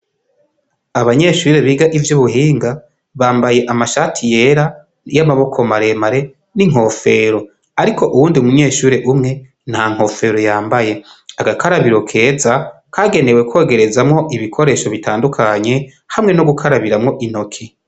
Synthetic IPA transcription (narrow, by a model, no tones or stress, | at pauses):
aβaɲe̞ʃuɾe̞βiːɡaʔivjuβuhiːŋɡa | βaːmbaje̞ʔamaʃatʰije̞ːɾa | jamaβo̞kʰo̞maɾe̞maɾe̞ | niŋ̥o̞ːfe̞ɾo̞ | aɾikʰo̞ʔuwuːndiumuɲe̞ːʃuːɾe̞ʔumŋe̞ | nhaŋ̥ho̞fe̞ːɾo̞jaːmbaje̞aɡakaɾaβiɾo̞kʰe̞ːza | kʰaːɡe̞ne̞we̞kwo̞ːɡe̞ɾe̞zamŋo̞ʔiβikʰo̞ɾe̞ːʃo̞βitaːndukʰaɲe̞ | hamŋe̞noɡukʰaɾaβiɾamŋo̞ʔin̥o̞kʰi